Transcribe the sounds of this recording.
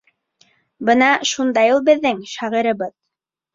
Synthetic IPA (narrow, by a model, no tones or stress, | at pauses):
bɤnɑʃund̪ɑjulˠbɘ̆ðːɘŋʃæʁĭɾɤ̆bɤð